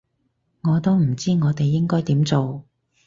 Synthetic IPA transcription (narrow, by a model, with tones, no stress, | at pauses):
ŋɔː˨˧t̪o˥wm̩˨˩t͡siː˥ŋɔː˨˧t̪e˨jːɪ˥ŋkɔː˥jt̪iː˨˥mt͡so˨w